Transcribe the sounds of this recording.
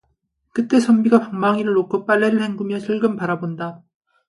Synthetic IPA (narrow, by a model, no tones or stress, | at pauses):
kɯt͈e̞sʰʌmbiɡapaŋmaŋiɾɯɭːnːokʰɯp͈aɭːeɾɯɭhʰe̞ŋɡumjʌt͡ɕʰɯɭɡɯmpaɾabonda